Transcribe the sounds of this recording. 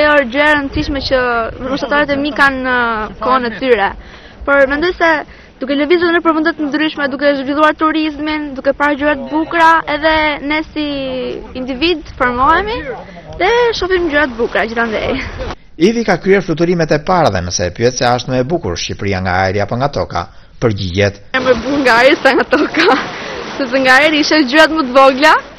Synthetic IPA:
ɔd͡ʑəɾɛɾənsiʃmɛt͡ɕəməmɔʃt̪at̪aɾɛt̪ɛmikanːəkɔnɛt̪yɾɛ | pɔɾmɛnd̪ɔjsɛ | d̪ukɛləvizɾuðnəpəɾfund̪ɛt̪ənd̪ɾyʃmɛd̪uk̬ɛʒvilˠuaɾt̪uɾizmind̪ukɛpaɾd͡ʑuɛt̪bukɾaɛðɛnɛsiː | nd̪ivid̪fɔɾmɔɛmi | ðɛʃɔfimd͡ʑuɾat̪̚bukɾad͡ʑiθand̪ɛ̰j | ivikakɾiɛɾflut̪uɾimɛt̪ɛpaɾaðɛnəsɛpyɛt̪saəʃt̪mɛbukṵɾʃcipɾiaŋɡaaɛɾiapɔŋɡat̪ɔka̰ | pəɾɟiɟɛt̪amɛbuŋɡaːɾsaŋɡat̪ɔkasɛs̬ɛŋɡaːɛɾiʃɛd͡ʑuɾat̪mət̪vɔɡla

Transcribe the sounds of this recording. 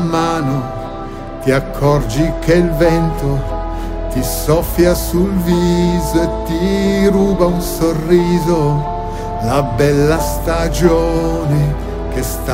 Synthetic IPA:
maːno | t̪iakʰːɔrd͡ʒik̟elvɛnt̪o | t̪isɔfjasulviːzoet̪ːiɾuːbaunsorːiːzo | labɛlːast̪ad͡ʒoːne | kest̪

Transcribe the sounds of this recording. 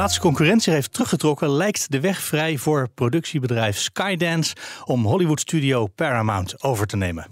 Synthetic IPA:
aːtstə̥kɔŋkyːrɛntsiɦejftərɵχətrɔkəlɛjktdəʋɛχfrɛjvʊːɹprowdɵksibədrɛjfskajdɛnsɔmɦɔliʋutstydiowpɛɹamawntowvəɹtənejmən

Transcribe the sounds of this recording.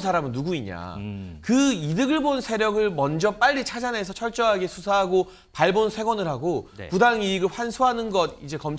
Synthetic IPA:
sʰaɾamɯnːuɡuiɲa̰kɯidɯɡɯɭbonsʰe̞ɾjʌɡɯɭmʌnd͡ʑʌp͈aʎːit͡ɕʰad͡ʑane̞sʰʌt͡ɕʰʌɭt͡ɕ͈ʌɦaɡe̞sʰusʰaɦaɡo | paɭbonsʰe̞ɡwʌnɯɭɦaɡopudaŋiːɡɯɭɸwansʰuɦanɯnɡʌdid͡ʑe̞kʌmt͡ɕʰ

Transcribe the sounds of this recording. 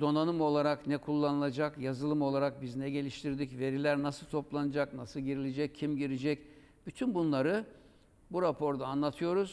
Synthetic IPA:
d̪o̞nanɯmo̞lˠaɾaknɛkʰulˠːanɯlˠad͡ʒakjazɯlˠɯmo̞lˠaɾak̚biznɛɟe̞lʲiʃt̪ʰiɾd̪icve̞ɾilʲæɾnasɯlˠt̪ʰo̞plˠanɯd͡ʒaknasɯlˠɟiɾilʲid͡ʒɛc̚ʰːimɟiɾid͡ʒɛc | b̥yt̪ʰynbunlˠaɾɯ | buɾapʰo̞ɾd̪aːnlˠat̪ʰɯjo̞ɾuz̥

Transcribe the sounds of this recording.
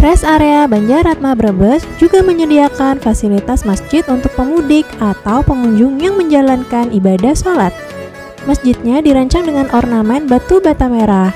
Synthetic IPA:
pɾɛsaɾeabaɲd͡ʒaɾat̪̚mabəɾəbəsd͡ʒuɡaməɲədiakanfasilit̪asmasd͡ʒɪt̪unt̪ʊk̚pəmudɪkat̪awpəŋuɲd͡ʒʊŋjaŋməɲd͡ʒalankanibadahsolat̪̚ | masd͡ʒɪt̪̚ɲadiɾaɲt͡ʃaŋdəŋanʔɔrnamɛnbat̪ubat̪ameɾah

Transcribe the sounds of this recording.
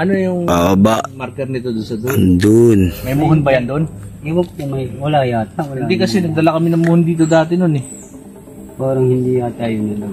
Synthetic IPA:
ʔɐnojʊŋʔoːʔobaʔmaɾkɛɾnɪt̪od̪ʊnsɐd̪od̪onmɐjmoɦonbɐjɐnd̪onɪwɐp̚ʊmɐjwɐlaːjat̪̚ɐwɐɪnd̪ikɐsɛnɐɡ̚d̪ɐlakɐmɪnɐŋmuhond̪iːt̪̬od̪aːt̪ɪnonɛ | poːɾɐŋhɪnd̪ijaːt̪ajʊnɪlɐ

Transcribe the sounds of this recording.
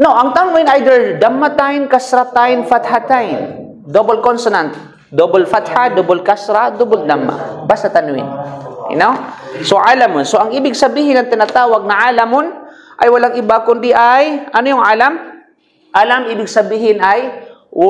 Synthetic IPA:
noʔɐŋt̪anʊɪnʔajd̪ɛɹd̪amːat̪ajnkasɾat̪ajnfat̪hat̪ajn | d̪obolkonsonant̪ | d̪obolfat̪had̪obolkasɾad̪obold̪amːa̰basat̪ɐnʊɪ̰nɪ̰nowsoʔaːlamʊnsoʔɐŋʔiːbɪɡ̚sɐbiːhɪnɐŋt̪ɪnat̪aːwɐɡ̚nɐʕaːlamʊn | ʔɐjwɐlaŋʔɪbakʊnd̪ɪʔajʔɐnojʊŋʔaːlam | ʔalamʔiːbɪɡsɐbiːhɪnaj

